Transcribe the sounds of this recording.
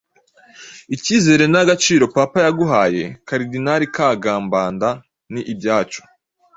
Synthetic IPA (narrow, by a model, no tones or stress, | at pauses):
iciːze̞ɾe̞naɡat͡ʃiːɾo̞papajaɡuɦaːje̞kaɾidinaɾikaɡaːmbaːnda | niʔibjaːt͡ʃo̥